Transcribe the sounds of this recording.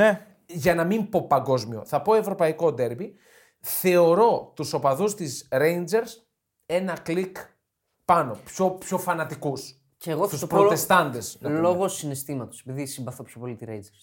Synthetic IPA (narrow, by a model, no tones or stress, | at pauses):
e | ʝɐnɐmimpo̞pɐŋɡo̞zmio̞̰θɐpo̞e̞vɾo̞pɐiko̞d̪e̞ɾbi | θe̞o̞ɾo̞t̪uso̞pɐðust̪izɾejnd͡ʒe̞ɾs | e̞nɐklik | pɐno̞pçopço̞fɐnɐt̪ikus | ceɣost̪uspɾot̪e̞st̪ɐnd̪e̞snloɣosine̞st̪imɐt̪osepiðisimbɐθopçopo̞lit̪iɾejnd͡zeɾs